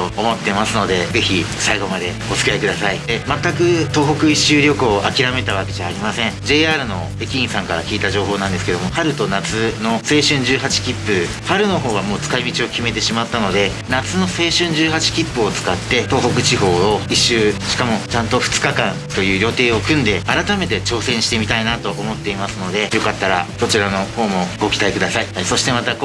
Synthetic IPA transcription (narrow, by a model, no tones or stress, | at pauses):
t̪oomo̞t̪ːe̞masɨno̞d̪e̞ze̞çisaiɡo̞mad̪e̞ot͡sɨ̥kʲiaikɯ̟d̪asaid̪e̞mat̪ːakɯ̟t̪o̞ːɦo̞kɯ̟iɕːɨːɾʲo̞kɯ̟oʔakʲiɾame̞t̪aβake̞ʑaːɾʲimasẽ̞ŋd͡ʑe̞ːaːɾɯ̟no̞̰ | e̞kʲiĩɰ̃sãŋkaɾa̰kʲiːt̪aʑo̞ːɦo̞ːnãnd̪e̞sɨ̥ke̞d̪o̞mo̞haɾɯ̟t̪o̞nat͡sɨno̞se̞ːɕɨ̃ɲ̟d͡ʑɨːɦat͡ɕi̥kʲipːɯ̟ | haɾɯ̟no̞ɦo̞ːβ̞amo̞ːt͡sɨ̥kaimʲit͡ɕio̞kʲime̞t̪e̞ɕimat̪ːano̞d̪e̞ | nat͡sɨno̞se̞ːɕɨ̃ɲ̟d͡ʑɨːɦat͡ɕi̥kʲipːɯo̞t͡sɨ̥kat̪ːe̞t̪o̞ːɦo̞kɯ̟t͡ɕiɦo̞ːoiɕːɨːɕi̥kamo̞t͡ɕãnt̪o̞ɸɯ̟̥t͡sɨ̥kakãnt̪o̞jɯ̟ːɾʲo̞t̪e̞ːo̞kɯ̟̃nd̪e̞aɾat̪ame̞t̪e̞t͡ɕo̞ːsẽ̞ɰ̃ɕi̥t̪e̞mʲit̪ainat̪o̞ʔːmo̞t̪ːe̞imasɨno̞d̪e̞jo̞kat̪ːaɾa̰so̞t͡ɕiɾano̞ho̞ːmo̞ɡo̞kʲi̥t̪aikɯd̪asaihaso̞ɕi̥t̪e̞mat̪ak